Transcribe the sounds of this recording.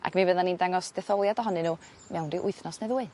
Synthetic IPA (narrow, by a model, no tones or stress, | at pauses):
a̰kmivəðanindaŋɔsd̥ɛθɔlˠjadɔɦɔnɨnuː | mɛwndiʔʊɨθnɔsnejðuːɨ